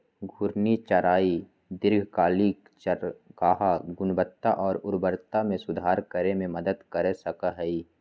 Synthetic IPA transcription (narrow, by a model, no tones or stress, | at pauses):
ɡʱʊɾnit͡ʃəɾaːi | d̪ɪɾɡʱkaːlik | t͡ʃkaːɦaɡʊnbət̪ːaʔɔːɾʊɾbəɾt̪amẽsʊd̪ʱaːɾkəɾemẽməd̪əd̪kəɾesəkaɦɛi